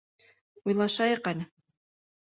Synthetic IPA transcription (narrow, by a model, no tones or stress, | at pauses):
ujlˠɑʃɑjɤ̆qænɘ